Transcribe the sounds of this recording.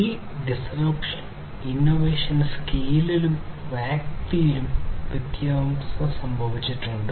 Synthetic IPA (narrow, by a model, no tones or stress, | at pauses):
i | ɖisɐɾɐpʈ | inːoʋeːʂɐnskiːlilumʋaːkt̪ijilumʋid̪jaːmsɐsɐmbʱɐʋit͡ɕːiʈːuɳɖɨ